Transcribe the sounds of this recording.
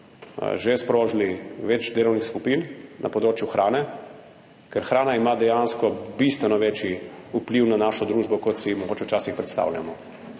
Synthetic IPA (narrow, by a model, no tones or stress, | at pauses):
ʒespɾoːʒliʋɛt͡ʃd̪eːlɔwnixskupinnʔa̰pɔd̪ɾoːt͡ʃjuxɾʔaːnɛ | kɛɾxɾaːnaimad̪ɛjanskɔbist̪ʋɛnɔʋeːt͡ʃiupliwnanaːʃɔd̪ɾuːʒbɔkɔt̪simɔɡoːt͡ʃɛwt͡ʃaːsixpɾɛt̪st̪a̰wʎʲa̰mɔ